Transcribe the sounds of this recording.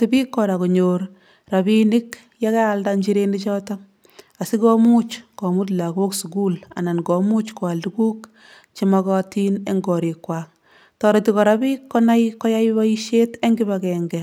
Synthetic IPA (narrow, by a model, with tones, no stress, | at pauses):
tibi˦kːɔɾa˨ku˨ɲoɾ | ra˨binɪk | jakɛː˦ldaɲd͡ʒiɾenit͡ʃɔ˦tɔ | a˨si˦kɔ˦mu˦t͡ʃkɔ˨mu˦t̬la˨ɡo˦ksu˨ku˦la̰˨na˨nɡɔ˨mu˦t͡ʃkɔ˨a˨ldukuː˦k | t͡ʃimakɔ˦tine˦ŋɡɔ˨ɾi˨kwaːk̚ | tɔɾetikɔ˨ɾa˦bi˦kːɔna˦jkːɔ˦ja˦jba˦iʃete˦ŋɡi˦bakɛŋɡɛ